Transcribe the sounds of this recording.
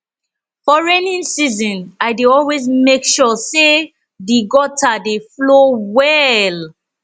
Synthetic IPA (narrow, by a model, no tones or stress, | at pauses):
fɔɹɛnĩnsizɔ̃naɪdeɔlwezmekʃɔse | diɡɔtʰadeflowɛl